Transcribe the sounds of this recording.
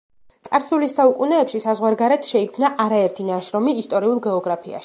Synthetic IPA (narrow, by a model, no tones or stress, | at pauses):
t̪sʼaɾsulisːaukʼunɛːpʃisazʁwaɾɡaɾɛt̪ʰʃɛikʰmnaʔaɾaɛɾt̪ʰinaʃɾɔmiːst̪ʼɔɾiulˠɡɛɔɡɾapʰia̰ʃi̥